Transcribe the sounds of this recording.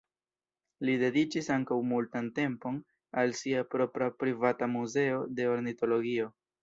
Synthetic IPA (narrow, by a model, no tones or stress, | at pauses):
lide̞dit͡ʃisaŋkawmultante̞mpo̞n | alsiapɾo̞pɾapɾivatamuze̞o̞de̞o̞ɾnito̞lo̞ɡio̞